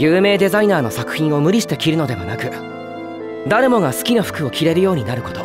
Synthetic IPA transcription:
jɯːme̞ːd̪e̞zainaːno̞sakɯ̟̥çĩɰ̃o̞mɯ̟ɾʲiɕi̥t̪e̞kʲiɾɯ̟no̞d̪e̞βa̰nakɯ̟ | d̪aɾe̞mo̞ŋasɨ̥kʲinaɸɯ̟̥kɯ̟o̞kʲiɾe̞ɾɯ̟jo̞ːɲ̟inaɾɯ̟ko̞t̪o̞

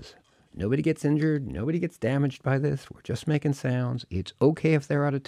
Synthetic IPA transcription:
z̥ | noʊbɨɾiɡɛtsɪ̃nd͡ʒə˞dⁿno̰ʊbɨɾiɡɛtsd̥æmɨd͡ʒd̚baɪðɪswɪ̰ɹd͡ʒʌst̚meɪkɪ̃ŋsãʊ̃ndzɪtsoʊkʰeɪɨfðə˞aʊɾʌ̥tʰ

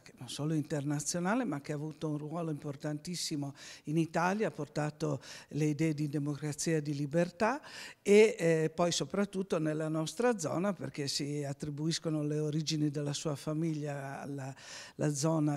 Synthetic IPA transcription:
knonsoːloint̪ernat̪sːjonaːlemak̟ːeaːvut̪ounruɔːloimport̪ant̪isːimoinit̪aːljaːport̪aːt̪oleid̪ɛːed̪id̪emokɾat̪siːad̪ilibert̪aepːɔjsopɾat̪ːut̪ːonelːanɔst̪ɾad̪zɔ̰ːnapḛrkesiat̪ːɾibuiskonoleoɾid͡ʒinid̪elːasuːafamiʎːaa̰lalʔa̰d̪zɔːna

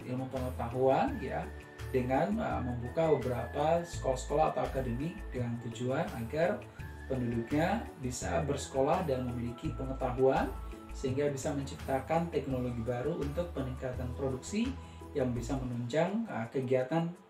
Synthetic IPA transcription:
ḭlmupəŋət̪aɦuanja̰ | dəŋanə̰məmbukabəbəɾapasə̥kolahsə̥kolahat̪awakadəmid̥əŋant̪ud͡ʒuanaɡar | pənduduk̚ɲabisa̰bərsə̥kolahdanməmilikipəŋət̪aɦuan | səɦiŋɡabisaməɲt͡ʃip̚t̪akant̪ɛk̚noloɡibaɾuʔunt̪ʊk̚pəniŋkat̪anpɾoduksi | jaŋbisamənuɲt͡ʃaŋəkəɡiat̪an

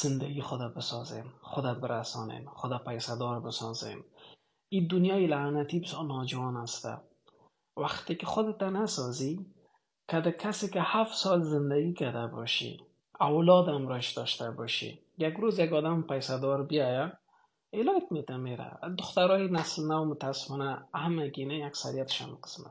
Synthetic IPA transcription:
z̥ɪnd̪aɡixʊd̪abɪsɔzḛmχʊd̪abɪɾasɔ̰nḛmχʊd̪apajsad̪ɔɾbɪsɔ̰zḛm | id̪ʊnjɔjilanat̪ibɪsjɔɾnɔd͡ʒuwɔnast̪a̰ | waqt̪ekɪχʊd̪ɪt̪anasɔzi | kad̪ɪkʰasekɪhafsɔlzɪnd̪aɡikad̪abɔ̰ʃḭ | awlɔd̪amɾɔʃd̪ɔʃt̪abɔʃḭ | jaɡɾozjaɡɔd̪ampajsad̪ɔɾbijɔja | elɔjt̪met̪ameɾa̰d̪ʊxt̪aɾɔjnaslnawmʊt̪asɪ̥fɔnahamaɡinaaksa̰ɾijat̪ɪ̥ʃa̰mqə̥sma̰t̪

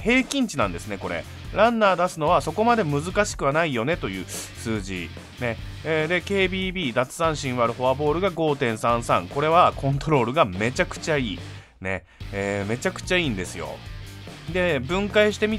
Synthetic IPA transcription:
he̞ːkʲĩɲ̟t͡ɕinã̰nd̪e̞sɨne̞ko̞ɾḛ | ɾãnːaːd̪asɨno̞βaso̞ko̞mad̪e̞mɯ̟zɨkaɕi̥kɯβanaijo̞ne̞t̪o̞jɯ̟̰ːsɨːʑḭ | ne̞ː | d̪e̞ke̞ːbʲiːbʲiːd̪at͡sɨ̥sãɰ̃ɕĩɰ̃βaɾɯ̟ho̞abo̞ːɾɯ̟ɡaɡo̞ːt̪ẽ̞ɰ̃sãɰ̃sã̰ŋko̞ɾe̞β̞akʰõ̞nt̪o̞ɾo̞ːɾɯ̟ɡame̞t͡ɕakɯ̟̥t͡ɕaiː | ne̞̰ | eːme̞t͡ɕakɯ̟̥t͡ɕaĩːnd̪e̞sɨjo̞̰ | d̪e̞bɯ̟̃ŋkaiɕi̥t̪e̞mʲi

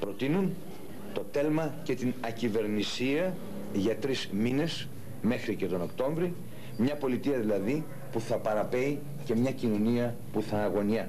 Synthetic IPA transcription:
pɾo̞t̪inun | t̪o̞t̪e̞lmɐce̞t̪inɐcive̞ɾnisiɐ | ʝɐt̪ɾizmine̞s | me̞xɾice̞t̪o̞no̞kt̪o̞ɱvɾi | mɲɐpo̞lit̪iɐðilɐði | puθɐpɐɾɐpe̞i | ce̞mɲɐcino̞niɐ | puθɐːɣo̞niɐ

